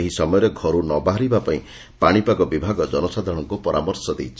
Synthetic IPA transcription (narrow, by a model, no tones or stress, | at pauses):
eɦisɔmɔjɔɾeɡʱɔɾunɔbaɦaɾibapaḭ̃ | paɽ̃ipaɡɔbibʱaɡɔd͡ʒɔnɔsad̪ʱɔɽ̃ɔŋkupɔɾamɔɾsɔd̪ḛjt͡ʃʰi